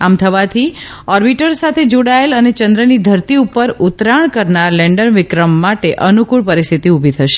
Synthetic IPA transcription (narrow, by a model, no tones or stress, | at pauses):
amt̪ʰəʋat̪ʰi | ɔɾbiʈəɾsat̪ʰed͡ʒoɽaelənet͡ʃənd̪ɾənid̪ʱəɾt̪iupəɾut̪ɾaɳ̃kəɾnaɾlɛ̃ɳɖənʋɪkɾəmːaʈeʔənukuɭpəɾist̪ʰit̪iubʱit̪ʰəʃe̥